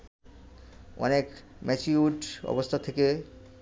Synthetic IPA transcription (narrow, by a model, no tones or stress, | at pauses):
ɔ̰nek | mɛt͡ɕiuʈɔ̰bost̪ʰat̪ʰeke